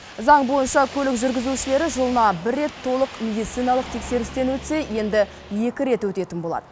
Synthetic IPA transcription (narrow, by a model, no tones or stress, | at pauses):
zɑɴbo̞jənʃɑkʲʰɵlɪkʒʏɾɡʲɪzuʃɪle̞ɾɪʒəlˠənɑbɪrːe̞t̪ʰːo̞lˠəqmʲe̞d̪ijt̪sijnɑlˠəq̚t̪ʰe̞kse̞ɾɪst̪e̞nwɵt̪se̞je̞nd̪ɪ | je̞kʲɪɾe̞t̪wɵt̪e̞t̪ɪnbo̞lˠɑ̰d̪̥ə